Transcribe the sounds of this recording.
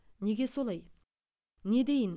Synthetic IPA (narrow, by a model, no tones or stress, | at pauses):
ne̞ɡʲe̞so̞lˠɑj | ne̞d̪e̞jən